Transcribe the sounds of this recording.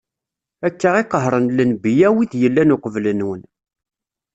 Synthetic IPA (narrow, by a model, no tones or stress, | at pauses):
ækːəʁɪqːəɦɾˤənlənbijæwiðjəlːænʊqəvlənwən